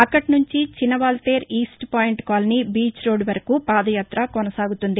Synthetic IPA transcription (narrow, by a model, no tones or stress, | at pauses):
ɐkːɐʈinuɲt͡ʃit͡ʃinɐʋaːlʈe̞ːɾiːsʈpaːjiɳʈkaːlɐnibiːt͡ʃɾo̞ːɖʋɐɾɐkuːpaːd̪ɐjaːt̪ɾɐkɔnɐsaːɡut̪und̪i